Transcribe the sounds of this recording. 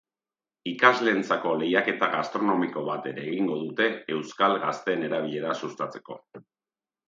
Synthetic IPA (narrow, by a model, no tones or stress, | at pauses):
ikazle̞ːnt͡sako̞le̞jake̞t̪aɣast̪ɾo̞no̞miko̞βat̪e̞ɾe̞ːɣiŋɡo̞ðut̪e̞ːwskalɣast̪e̞ne̞ɾaβiʎe̞ɾasust̪at͡se̞̥ko̞̰